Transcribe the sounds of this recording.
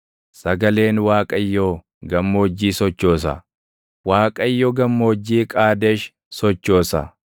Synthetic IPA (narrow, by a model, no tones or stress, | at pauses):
sɐɡɐle̞ːnwaːkʼɐjːoː | ɡɐmːo̞ːd͡ʒːiːsɔt͡ʃːo̞ːs̬ɐ̰ | waːkʼɐjːoːɡɐmːoːd͡ʒːiːkʼaːd̪eʃ | sɔt͡ʃːo̞ːsɐ̰